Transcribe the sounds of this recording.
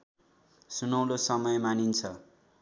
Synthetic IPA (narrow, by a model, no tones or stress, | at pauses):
sunʌw̃losʌmʌjmanint͡sʰʌ